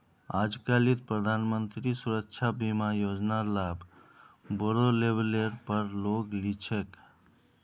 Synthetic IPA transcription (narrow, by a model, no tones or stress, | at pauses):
ad͡ʒkalit̪̚pɾəd̪ʱanmənt̪ɾisuɾəkt͡ʃʰabimajod͡ʒnalab | bəɽolebleɾpəɾloklit͡ʃʰek